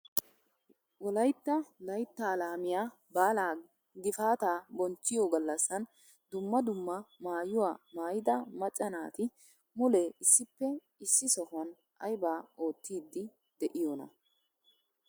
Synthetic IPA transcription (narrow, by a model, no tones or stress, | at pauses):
wɔlɐjt̪ːɐlɐjt̪ːɐːlaːmɪjaː | baːlaː | ɡɪfaːt̪aːbɔnt͡ʃːɪjoɡɐlːɐsːɐn | d̪ʊmːɐd̪ʊmːɐmaːjʊwaːmaːjɪd̪ɐmɐt͡ʃʼːɐnaːt̪ɪ | mʊlɛɪsːɪpːɛ | ɪsːɪsɔhʊɐn | ʔɐjbaːo̞ːt̪ːiːd̪ːɪ | d̪ɛʔɪjoːnɐ̰